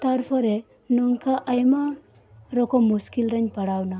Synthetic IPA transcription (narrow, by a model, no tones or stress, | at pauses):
t̪ʌrpʰʌɾe | nuŋkaʔːjma | ɾʌkomuskilɾʌnpʌɽawna